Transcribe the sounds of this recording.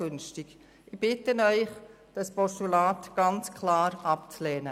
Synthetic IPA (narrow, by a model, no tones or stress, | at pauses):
ʏnʃtiɡ̥ | ɪb̥ɪtənœʏχ | d̥ɑspɔʃtulaːtɡ̥ɑnt͡skʰlɑːɾʔɑpt͡slɛːnə